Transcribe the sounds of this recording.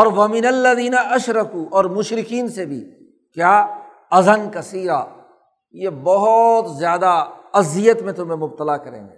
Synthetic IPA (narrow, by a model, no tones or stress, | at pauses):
ɔːɾʋɐmɪnɐlːɐðiːnaɐʃɾɐkuːʔɔːɾmʊʃɾɪkiːnsebʱḭː | kjaː | ɐzənkɐsiːɾa | jebɔɦʊt̪zjaːd̪aɐzijət̪mẽt̪ʊmẽmʊb̚t̪əlakɐɾḛ̃ːɡeː